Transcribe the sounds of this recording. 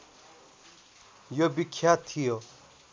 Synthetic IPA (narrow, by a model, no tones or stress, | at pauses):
jobikʰːjat̪ʰijo